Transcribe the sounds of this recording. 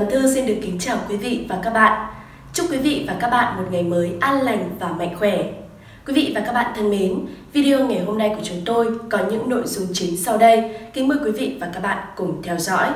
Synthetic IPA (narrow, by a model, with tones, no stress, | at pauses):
ə˨˩t̪ʰɨ˧si˧nɗɨ˨˩əkːï˨˦ŋ̟t͡ɕaː˨˩wkwi˨˦vḭ˧˨vaː˨˩kaː˦˥k̚ɓa̰ː˧˨nʔ | t͡ɕʊ˦˥p̚kwi˨˦vḭ˧˨vaː˨˩kaː˦˥k̚ɓa̰ː˧˨nmo˨˩t̚ŋa˨˩jməː˨˦jʔaː˧nla˨˩ŋ̟vaː˨˩ma̰˧˨jŋ̟xwɛ˧˩ | kwi˨˦vḭ˧˨vaː˨˩kaː˦˥k̚ɓa̰ː˧˨nt̪ʰa˧ŋme˨˦nvi˧ɗi˧o˧ŋa˨˩jɦo˧mna˧jku˧˩ət͡ɕʊ˨˦ŋ͡mt̪o˧jkɔ˨˦ɲɨ̰˧˥ŋno̰˧˨jzʊ˧ŋ͡mt͡ɕï˨˦ŋsa˧wɗə˧jki˨˦ŋməː˧˩jkwi˨˦vḭ˧˨vaː˨˩kaː˦˥k̚ɓa̰ː˧˨nkʊ˧˩ŋ͡mt̪ʰɛ˧wzɔ̰˧˥j